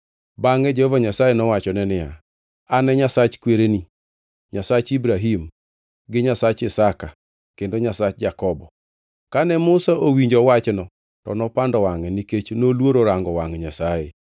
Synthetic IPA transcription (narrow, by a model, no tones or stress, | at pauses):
baŋɛd͡ʒɛhovaɲasajenɔwat͡ʃɔnɛnɪja̰ | anɛɲasat͡ʃkweɾeni | ɲasat͡ʃibɾaɦim | ɡɪɲasat͡ʃɪsaka | kendoɲasat͡ʃd͡ʒakɔbɔ | kanɛmʊsaʔowiɲd͡ʒɔwat͡ʃnɔ | tɔ̰nɔpandɔwaŋɛniket͡ʃnolwoɾoɾaŋɡɔwaŋɲasaje